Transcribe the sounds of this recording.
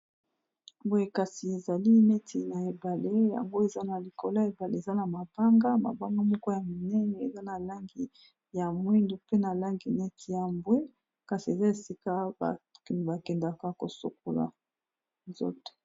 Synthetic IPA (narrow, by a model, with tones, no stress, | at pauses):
mbwe˨ka˨si˨e˨za˨li˦nɛ˦tʰi˨na˨e˨ba˨le˦ja̰˨ŋɡo˦e˨za˦na˨li˨ko˨la˦e˨ba˨lḛ˦e˨za˦na˨ma˨b̥a˦ŋɡa˦ma̰˨ba˦ŋɡa˦mɔ˦ko˦ja˨mi˨nɛ˦nɛ˨ḛ˨za˦na˨la˦ŋɡi˨ | ja˨mwi˦ndo˨pe˦na˨la˦ŋɡi˨nɛ˦tʰi˨ja˨mbwe˦ | ka˨si˨e˨za˦e˨si˦ka˦bba˨kɛ˨nda˨ka˨ko˨so̰˨k̚o̰˨la̰˨ | nzo̰˦te̥˨